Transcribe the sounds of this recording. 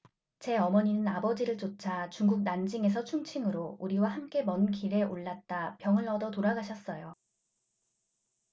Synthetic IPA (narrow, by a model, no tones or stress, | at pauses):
t͡ɕe̞ʌmʌɲinɯnabʌd͡ʑiɾɯɭt͡ɕot͡ɕʰat͡ɕuŋɡuk̚nand͡ʑiŋes̬ʰʌt͡ɕʰuŋt͡ɕʰiŋɯɾouɾiwahamk͈e̞mʌnkiɾe̞ʔoɭːat̚t͈apjʌŋɯɭʌdʌtoɾaɡaɕʰʌs͈ʌjo